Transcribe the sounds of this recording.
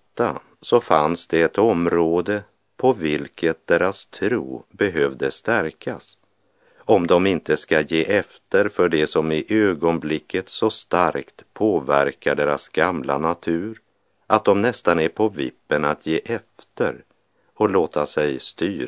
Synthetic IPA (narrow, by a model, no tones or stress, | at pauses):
t̪ːa | sɔfansd̪ɛɛt̪ɔmɾoːd̪ə | pʰɔvɪlkʰət̪̚d̪̥eːɾast̪ʰɾṵːbɛɦøvd̪əst̪æɾkʰas | ɔmd̪ɔmɪnt̪əskajeːʔɛft̪əɾfœɖɛsɔmɪʔøːɡɔnblɪkʰːət̪sɔst̪aɾkt̪pʰoːvæɾkaɖeːɾa̰sɡamla̰nat̪ʰʉ̟ːɾ | ʔat̪̚d̪ɔmnɛst̪anæɾpʰɔvɪ̰pːənat̪ʰjeːʔɛft̪ə̰ɾ | ɔloːt̪asɛjst̪yːɾ